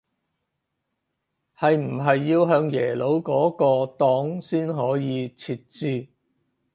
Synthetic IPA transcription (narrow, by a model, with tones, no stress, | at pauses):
hɐ˨jm̩˨˩ɦɐ˨jːiː˧wɦœː˨˧ŋjɛː˨˩lo˨˥wkɔː˨˥kɔː˧t̪ɔː˨˥ŋsiː˥nɦɔː˨˥jiː˨˧t͡sʰiː˨˧t̚t͡siː˧